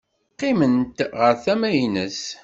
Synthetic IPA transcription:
qːɪmənt̪ʁəɾθæmæjnəs

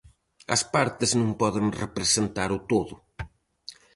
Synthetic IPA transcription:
ɐ̰spaɾt̪ɪznũŋpɔðɪŋrepɾesent̪aɾʊt̪oðʊ

